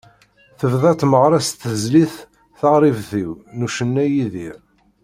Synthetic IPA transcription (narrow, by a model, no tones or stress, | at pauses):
θəvðæt̪məʁɾˤæst̪əzliθ | θəʁɾˤivθiwnuʃənːæjiði